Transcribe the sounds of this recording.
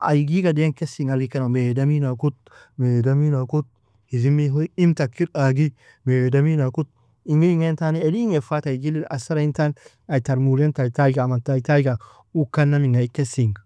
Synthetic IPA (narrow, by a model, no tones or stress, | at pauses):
ʔa̰jɡiɡadeŋkesiŋalɡikanamedaminakut̪̚ | medaminakut̪̚ | hizimiɦoimt̪akːiɾaɡi | medaminakut̪̚ | iŋɡiiŋentaniediŋefataiɡilːiasaɾaintan | aitaɾmuɾentajtajɡaːmataitajɡa | ukanːamiŋaikesiŋ